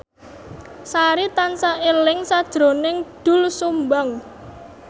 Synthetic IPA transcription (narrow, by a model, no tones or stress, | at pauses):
saɾit̪ansaʔelɪŋsad̥ʒ̥ɾo̤nɪŋɖ̪̥ʊ̤lsumbaŋ